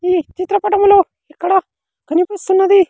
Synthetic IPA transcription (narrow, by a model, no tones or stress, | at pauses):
iːt͡ʃit̪ɾɐpɐʈɐmulo | ikːɐɽa | ɡɐnipɐsunːɐd̪i